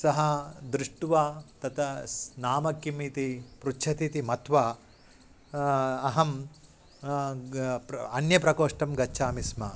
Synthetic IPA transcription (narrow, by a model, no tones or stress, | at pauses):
sɐɦɐd̪ɾɪʂʈʋaːt̪ɐt̪ʰɐnaːmɐkjimiːt̪ipɾut͡ʃʰɐt̪it̪imɐt̪ʋaː | ɐɦɐm | ɐnjɐpɾɐkoːʂʈɐmɡɐːt͡ʃʰaːmismɐ